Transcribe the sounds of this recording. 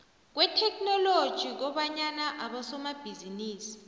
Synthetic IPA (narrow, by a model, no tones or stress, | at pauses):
k̬wɛtʰɛknɔlod̥ʒ̥ʱik̬ɔɓaɲanaʔaɓasɔmab̥ʱiziniːsi̥